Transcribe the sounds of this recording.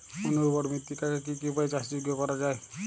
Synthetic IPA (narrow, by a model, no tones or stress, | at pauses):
onuubɔɾmit̪ːikakekikipajt͡ʃasd͡ʒiɡjɔkɔɾad͡ʒae